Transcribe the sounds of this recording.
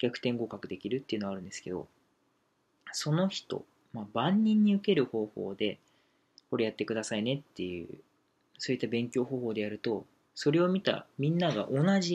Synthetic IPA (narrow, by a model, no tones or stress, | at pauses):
kʲakɯ̥t̪ẽ̞ŋɡo̞kakɯ̟d̪e̞kʲiɾɯ̟t̪ːeiɯ̟noaɾɯ̟nd̪e̞sɨ̥ke̞d̪o̞̰ | so̞no̞çi̥t̪o̞̰ | mabãɲ̟ːĩɲ̟ːiɯ̟ke̞ɾɯ̟ho̞ːho̞̰ːd̪e̞ | ko̞ɾe̞jat̪ːe̞kɯ̟d̪asaine̞t̪ːe̞jɯ̟̰ː | so̞ːit̪ːabẽ̞ŋkʲo̞ːɦo̞ːhoːd̪e̞jaɾɯ̟t̪o̞ | so̞ɾe̞o̞mʲit̪a̰mʲĩnːaɡa̰ʔo̞naʑi